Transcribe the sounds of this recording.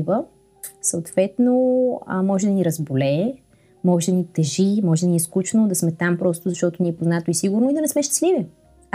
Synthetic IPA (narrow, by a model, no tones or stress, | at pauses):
və | səot̪vɛt̪no̰mɔʒɛd̪ɐniɾɐzbolɛ | mɔʒɛd̪ɐnit̪ɛʒimɔʒɛd̪ɐniɛskut͡ʃnod̪ɐsmɛt̪ampɾɔst̪ʊzɐʃt̪ɔt̪ʊniɛpoznat̪oisiɡʊɾnoid̪ɐnɛsmɛʃt̪i̥slivi